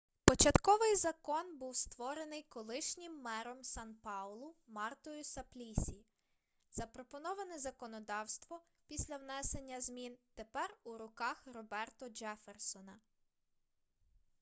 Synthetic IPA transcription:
pɔt͡ʃɐt̪kɔʋɪjzɐkɔnbuwst̪ʋɔɾenɪjkɔlˠɪʃnʲɪmːɛɾɔmsɑnpɑwlˠʊmɑrt̪ɔjʊsɐplʲisʲi | z̥ɐpɾɔpɔnɔʋɐnɪzɐkɔnɔd̪ɑwst̪ʋɔ | pʲisʲlʲɐwnɛse̞nʲːɐzmʲint̪epɛruɾʊkɑxrɔbɛrt̪ɔd͡ʒɛfersɔnɐ

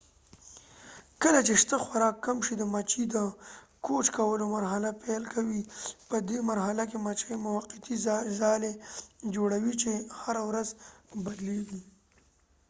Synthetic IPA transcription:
kəlat͡ʃeʂt̪əxwaɾɑkːamʃid̪əmat͡ʃid̪ə | kot͡ʃkawəlomaɾɦalapelkʰawipəd̪emaɾɦalakemat͡ʃamʊwaqɪt̪izɑled͡ʒoɽawit͡ʃehaɾawɾazbad̪leɡi

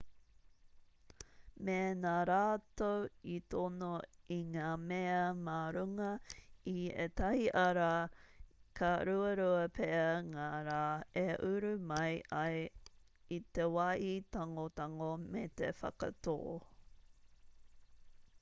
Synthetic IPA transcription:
menaɾaːtowitonoiŋaːmeɐmaɾuŋɐiḛt̪ɐhiʔɐɾa | kʰɐɾuɐɾuɐəpʰeɐŋaːɾaːeʔʉɾʉmɐjɐj | it̪ewɐʔitaŋot̪aŋomet̪efɐ̰kɐ̰to̰ː

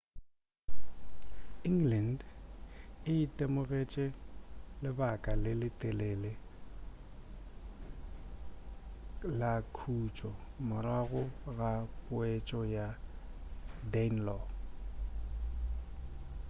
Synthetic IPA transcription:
iŋɡlɛnd | ɪitʼɛmʊɣet͡ʃʼɛlɪbakʼalɪlɪtʼɛlɛlɪ | lakʰut͡ʃʼɔmʊraɣʊɣapʼʊet͡ʃʼɔja | dɛnlɔ

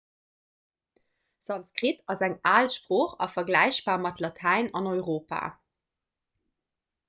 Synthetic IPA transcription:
z̥ɑnskʁitɑzæŋaːlʃpʁoːχɑ̰fɐɡlæɪɕb̥aːɐmɑtʰlɑtʰæɪnɑnɔʏʁoːpa̰ː

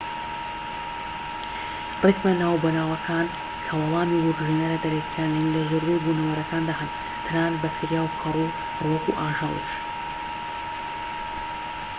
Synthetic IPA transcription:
rɨt̪mɐnaːwbɐnaːwɐkʰaːn | kʰɐwɐlaːnuwuɾʒinɐɾɐd̪ɐɾekʰaːninlɐzoɾbujɡunɐwɐɾɐkʰaːnd̪aːɦɐn | t̪ʰɨnaːnbɐfɨɾjaːwkʰɐrˤu | wɐkuʔaːʒɑlˠḭʃ

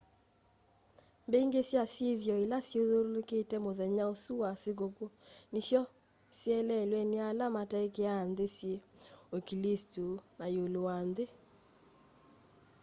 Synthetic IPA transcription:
mbeŋɡesjasjeðjɔelasjoðoɾoloketɛmoðɛɲaosuwasek̬okonisjɔ | sjɛlɛlwɛnealamataekeandesjeokilestunajolowanðe

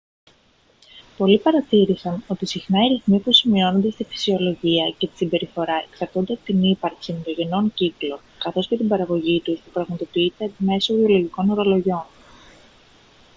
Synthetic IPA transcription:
po̞lipɐɾɐt̪iɾisɐno̞t̪isixnɐiɾiθmipusimio̞no̞nd̪e̞st̪ifi̥sio̞lo̞ʝiɐce̞t̪i̥simbe̞ɾifo̞ɾɐe̞ksɐɾt̪ond̪e̞ɐpo̥t̪inipɐɾksint̪o̞ʝe̞no̞ŋciklo̞ | kɐθo̞sce̞t̪ibɐɾɐɣo̞ʝit̪usp̪upɾɐɣmɐt̪o̞piit̪e̞ːp̪ime̞sovio̞lo̞ʝiko̞no̞ɾo̞lo̞ʝo̞n

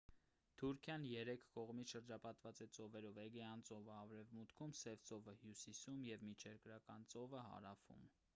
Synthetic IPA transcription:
t̪ʰuɾkʰjɑnjɛɾɛkʰkɔʁmiʃəɾd͡ʒɑpɑt̪vɑt͡sɛt͡sɔvɛɾɔvɛɡɛɑnt͡sɔvəɑvɾɛvmut̪kʰumsɛvt͡sɔvəhjusisumjɛvmit͡ʃʰɛɾkɾɑkɑnt͡sɔvəɦɑ̰ɾɑfṵm

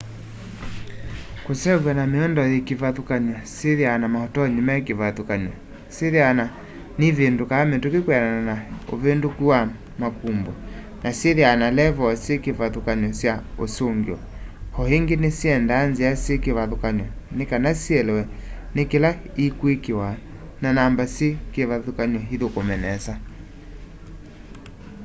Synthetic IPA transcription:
kosɛvwɛnameɔndɔjekivaðukaɲɔseðianamahɔtɔɲimakevaðukaɲɔ | seðiana | nivendukaːmetukekwanananao̰vendukuwa | makumbɔ | naseðianalɛvɔsekevaðukaɲɔsjaosoŋɡeɔ̰hɔheŋɡenesiɛndaːnzeasjekeβaðokaɲɔnekanasiɛlɛwɛnekela | ikwekewa | nanambasjekeβaðukaɲɔɦiðokomɛnɛsa

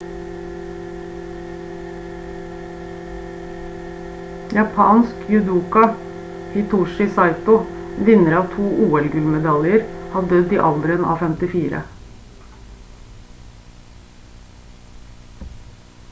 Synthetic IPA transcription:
jɑpʰɑ̰ːnskʰjʉd̪uːkɑ | hɪt̪ʰuːʃɪsɑɪt̪ʊʋɪnəɾɑːʋt̪ʰuːʔuːɛlɡʉlmɛd̪ɑljəɾhɑːd̪œd̪iːʔɑld̪ɾɪənɑ̰ːfɛmt̪ɪfiːɾə̰

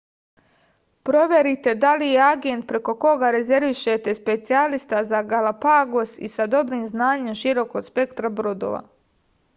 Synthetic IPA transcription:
pɾo̞ʋje̞ɾit̪e̞d̪alijeaɡe̞nt̪̚pɾe̞ko̞ko̞ɡaɾe̞ze̞ɾʋiʃet̪e̞spe̞t̪sialist̪azaɡalapaɡosḭsad̪o̞bɾiːmznaːɲe̞mʃiɾo̞ko̞spe̞kt̪ɾabɾod̪o̰ʋa̰

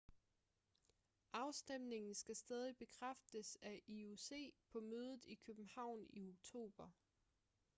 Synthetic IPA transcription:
ʔɑ̈ʊsd̥em̰ne̝ŋn̩sɡ̥æsd̥ɛːð̞ˠib̥e̝kʰʁafd̥əsæʔiuse̝̰ːpʰɒ̽møːð̞ˠð̩ˠikʰøb̥m̩hɑ̈ʊ̰nio̝ɡ̥̚t͡sʰo̝̰ːb̥ɐ

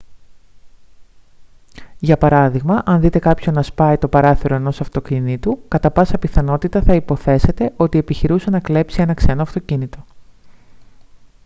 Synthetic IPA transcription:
ʝɐpɐɾɐðiɣmɐʔɐnðit̪e̞kɐpço̞nːɐspɐit̪o̞pɐɾɐθiɾo̞e̞no̞sɐft̪o̞cinit̪ukɐt̪ɐpɐsɐpiθɐno̞t̪it̪ɐθɐipo̞θe̞se̞t̪e̞ʔo̞t̪ie̞piçiɾusenɐkle̞psie̞nɐkse̞noɐft̪ocinit̪o̞

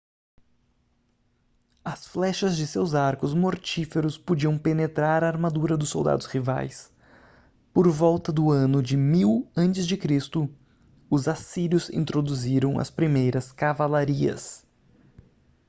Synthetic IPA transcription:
ɐsflɛʃɐzd͡ʒɪsewzaɾkʊzmoɾt͡ʃifeɾʊspod͡ʒiɐ̃w̃penet̪ɾaɾaːɾmad̪uɾɐd̪ʊsːo̰wd̪a̰d̪ʊsʁiva̰js | poɾvɔwt̪ɐd̪ʊɐ̃nʊd͡ʒɪmiwɐ̃nt͡ʃɪzd͡ʒɪkɾist̪ʊ | ʊzasiljʊzḭ̃nt̪ɾod̪uziɾɐ̃w̃ɐ̰spɾimejɾɐskavalaɾiɐ̰s

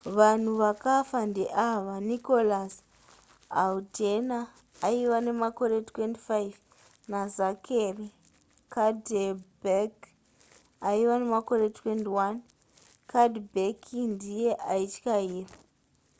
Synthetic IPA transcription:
ʋan̤uʋakafandeʔaʋaniko̞las | aldenaː | iwane̞mako̞ɾetwenti̥fajv | nazakʰeri | kʰadebek | aiwane̞mako̞ɾe̞twentiwan | kadbekʰindije̞ʔait͡ʃi̥kaiːra

